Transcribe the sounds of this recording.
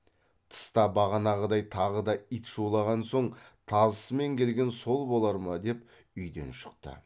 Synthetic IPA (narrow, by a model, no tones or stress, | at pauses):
t̪ʰə̥st̪ɑbɑʁɑnɑʁəd̪ɑjt̪ʰɑʁəd̪ɑit̪ʒowlˠɑʁɑnso̞ɴt̪ʰɑzəsəme̞ŋkʲʰe̞lɡʲe̞nso̞lˠbo̞lˠɑɾmɑd̪e̞p | ʏjd̪e̞̰nʃə̥qt̪ə̰